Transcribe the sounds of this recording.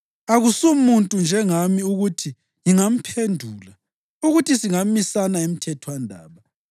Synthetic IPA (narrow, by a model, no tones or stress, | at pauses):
aɣusumuntʼund͡ʒʱɛŋamiuɣutʰi | jiŋam̩pʰendʱuːla | uɣutʰisiŋamisanaem̩tʰɛtʰwandʱa̰ːβa